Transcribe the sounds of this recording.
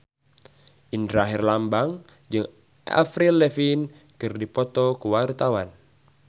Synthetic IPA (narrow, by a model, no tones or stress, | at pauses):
ʔindɾaɦirlambaŋ | d͡ʒɨŋ | ʔa̰fɾilɛfin | kɨrdipɔt̪ɔkuwart̪awan